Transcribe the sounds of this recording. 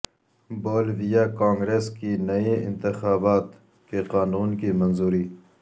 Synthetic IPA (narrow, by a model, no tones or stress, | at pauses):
boːlʋijakãːŋɡɾeːskinɐiɪ̰̃nt̪ɪxaːbaːt̪ | keqaːnuːnkimɐnzuːɾiː